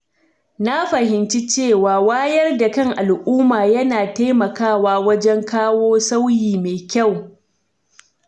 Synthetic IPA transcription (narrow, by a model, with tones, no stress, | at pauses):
na˦ɸɐ˨hɪ˨nt͡ʃi˦t͡ʃeː˦˨waː˨waː˦jɐ˦rda˨kɐ˦ŋʔa˨lʔuː˦maː˨jɐ˦naː˨ta˦jmɐ˨kaː˦˨waː˦wɐ˦d͡ʒɛ˦ŋkaː˦woː˦sa˦wjiː˨meː˨kʲa˦˨w